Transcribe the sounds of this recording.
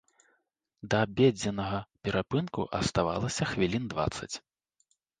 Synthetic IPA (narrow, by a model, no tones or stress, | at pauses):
d̪ɐbʲed͡zʲɛnɐɣɐpʲɛɾapɨnkṵʔɐst̪ava̰lˠɐsʲɐxvʲilʲind̪va̰t̪sɐ̰t͡sʲ